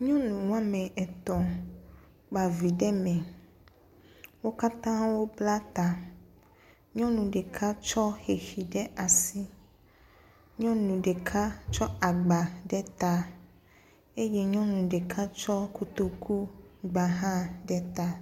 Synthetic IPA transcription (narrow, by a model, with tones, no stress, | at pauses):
ɲɔ̃˦nũ˨wa˦mɛ̃˨ɛ˨t̪ɔ̃˨ | k͡pa˨vi˨ɖɛ˦mɛ̃˨ | wo˦ka˦t̪ã˦wo˦bla˦t̪a˨ | ɲɔ̃˦nũ˨ɖɛ˨kʰa˦t͡ʃɔ˦xe˨xi˨ɖɛ˦a˨si˦ | ɲɔ̃˦nũ˨ɖɛ˨kʰa˦t͡ʃɔ˦a˨ɡ͡ba˨ɖɛ˦t̪a˦ | e˦jɛ˦ɲɔ̃˦nũ˨ɖɛ˨kʰa˦t͡ʃɔ˦ku˦t̪o˦kʰu˦ɡ͡ba˨ɦã˦ɖɛ˦t̪a˦